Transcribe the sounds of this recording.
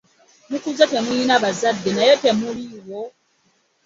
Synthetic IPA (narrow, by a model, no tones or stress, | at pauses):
mukuzatemujinaβazadːenajete̞muliwo